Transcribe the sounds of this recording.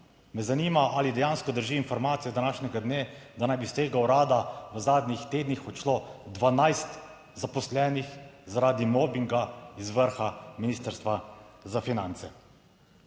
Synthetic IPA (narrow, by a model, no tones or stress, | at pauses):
mɛzaniːmaʔalid̪ɛjanskɔd̪əɾʒiːnfɔɾmaːt̪ijɛd̪anaːʃnʲɛɡad̪neːd̪anajbist̪eːɡawɾaːd̪aʋəzaːd̪nixt̪eːd̪nixɔt͡ʃloːd̪ʋanajst̪ | zapɔslɛːnixzaɾaːd̪imɔːbiŋɡaizʋəɾxaminiːst̪əɾst̪ʋazafinant̪sɛ